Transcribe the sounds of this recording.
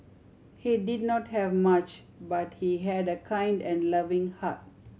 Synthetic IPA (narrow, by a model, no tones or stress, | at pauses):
hidid̚nɔthɛvmat͡ʃ | bat̚hiɦɛdəkʰãj̃ndɛ̃nlavĩŋhat̚